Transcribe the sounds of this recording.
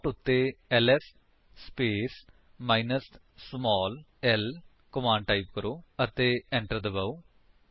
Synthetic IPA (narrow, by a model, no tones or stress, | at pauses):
ʈːut̪ːeeles | speːs | mɐjnɐs | smoːl | el | komaːɳɖʈɐjpkɐɾuɐt̪ːeeɳʈɐd̪ɐbɐw